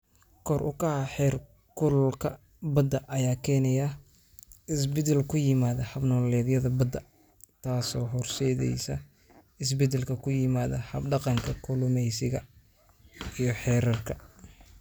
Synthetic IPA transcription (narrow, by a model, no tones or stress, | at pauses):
kʰɔrʔʊ̰kɐhɐħɛːr | kʰʊlkʰɐ | bɐd̪ɐʔɐjaːkʰɛːnɛja | ɪsbɛd̪ɛlkʰʊjɪmaːðɐhɐbnɔːlɛːðjɐðɐbɐd̪ɐ | t̪ʰaːsɔːɦɔrsɛːðɛ̰jsɐ | ɪs̬bɛd̪ɛlkʰɐkʰʊjɪmaːðɐ̰hɐbɖɑqɑŋkʰɐkʰʊlʊmɛjsɪɣɐ | ijɞħɛːɾɐrkʰɐ